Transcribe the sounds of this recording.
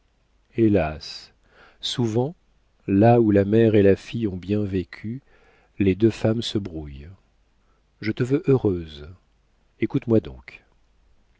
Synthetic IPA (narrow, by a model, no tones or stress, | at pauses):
elas | suvɑ̃ | laulamɛʁelafijɔ̃bjɛ̃vekʲʰy | led̪øfamsəbʁuj | ʒət̪əvøʔøʁøz | ekut̪mwad̪ɔ̰̃k